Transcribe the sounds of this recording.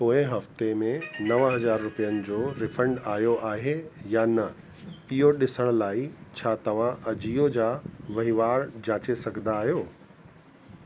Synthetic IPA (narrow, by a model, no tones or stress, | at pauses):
poːɪ̃ɦɐft̪emẽnɐʋɦɐzaːɾːʊpijənɪ̆d͡ʑoːɾɪfə̃ɳɖaːjoʔaːɦejaːnɐ | ɪɦoɗɪsəɽ̃ʊ̆laːit͡ɕʰaːt̪ɐʋ̤ãʔɐd͡ʑijod͡ʑaːʋɐɦiʋaːɾd͡ʑaːt͡ɕesɐɡʱnd̪aːɦijoː